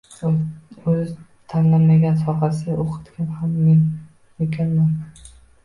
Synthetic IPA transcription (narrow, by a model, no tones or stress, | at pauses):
ɵz | t̪ʰanlanmaɡʲansɒqɑsɪɡʲaʔoqʰɨ̥t̪kʲanhamːen | ekʲʰanman